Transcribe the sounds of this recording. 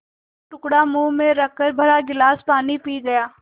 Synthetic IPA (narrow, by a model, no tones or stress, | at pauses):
ʈʊkɽamuːmẽɾɐkʰːəɾbʱɐɾaɡɪlaːspaːnipiːɡɐjaː